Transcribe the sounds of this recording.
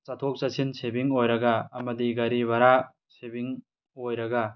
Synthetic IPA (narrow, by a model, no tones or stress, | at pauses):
t͡ʃatʰok̚t͡ʃasʰinsʰebiŋojɾɐɡaːmɐdiɡaɾibaɾa | sebiŋ | ojɾɐɡa